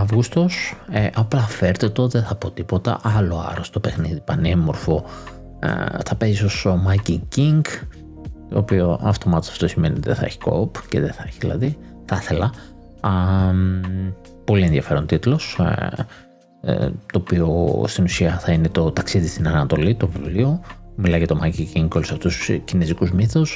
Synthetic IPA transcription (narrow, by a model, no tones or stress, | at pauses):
ɐvɣust̪o̞seʔɐplɐfe̞ɾt̪et̪o̞ðeθɐpo̞t̪ipo̞t̪ɐ̰ʔɐlo̞ɐ̰ɾost̪opexniðipɐnemo̞ɾfo̞̰ | θɐpe̞zisosomɐciŋciŋɡ | t̪o̞ːpioɐft̪o̞mɐt̪osɐ̥ft̪o̞simeniot̪iðeθɐe̞̰çi̥ko̞̰pceðeθɐeçiðilɐ̰ði | θɐθe̞lɐ | ɐ | po̞lienðjɐfeɾont̪it̪lo̞s | t̪o̞ːpio̞st̪inusiɐθɐinet̪o̞t̪ɐksiðist̪inɐnɐt̪o̞lit̪o̞vivlio̞milɐʝɐt̪omɐciciŋɡolosɐft̪ustscinezikuzmiθos